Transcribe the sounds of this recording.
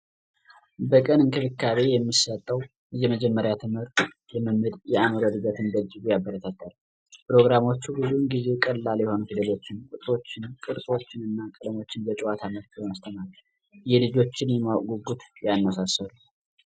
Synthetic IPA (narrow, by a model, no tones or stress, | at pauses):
bəkʼənɨnkʰɨfɨkːaβe̞jɛmːisət̪ʼːəw | jɛməd͡ʒɛmːəɾjat̪ʰɨmhɨɾt̪ʼ | jɛmɨmːɨd̪jɛaməɾod̪ɨɡat̪ʰɨnd̪əd͡ʒːɨɡujabːəɾət̪ʰət̪ːal | pʰɾo̞ɡɾamo̞t͡ʃːubɨzuɨŋɡize̞kʼəlːaljɛho̞nufid̪əlo̞t͡ʃːɪnkʼut̪ʼɾo̞t͡ʃːɪnkʼɨɾt̪ʼo̞t͡ʃːɪnɨnːakʼɨlmo̞t͡ʃːɪnbət͡ʃʼwat̪ʰamət̪mast̪ʰəmaɾ | jɛlɨd͡ʒo̞t͡ʃːɪnjɛmaɡuɡut̪janːəsasːəlu